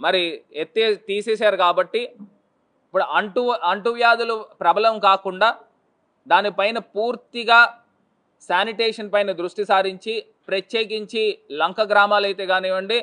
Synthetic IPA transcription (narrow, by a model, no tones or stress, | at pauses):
mɐɾiet̪ːeːt̪iːseːs̬aːɾukaːbɐʈːi | ipːuɽuʔɐɳʈuɐɳʈuʋjaːd̪ulupɾɐbʱɐlɐmkaːkuɳɖaː | d̪aːnipɐjnɐpuːɾt̪iɡaː | saːniʈeːʂɐnpɐjnɐd̪ɾuʂʈisaːɾiɲt͡ʃi | pɾɐt̪jeːkiɲt͡ʃilɐŋkɐɡɾaːmaːlɐjt̪e̞ːɡaːneːʋɐɳɖi